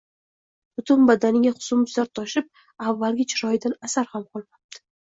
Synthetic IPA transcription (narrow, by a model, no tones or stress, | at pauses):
b̥ʊt̪ʰʊnbad̪anɪŋʲaχʊ̥sʊmʊzlaɾt̪ʰɒʃɪp̚ | avːalɡʲɪt͡ʃʰɪɾɒjɪd̪anasaɾhamqʰɒlˠmap̚td̪̥ʰɪ̥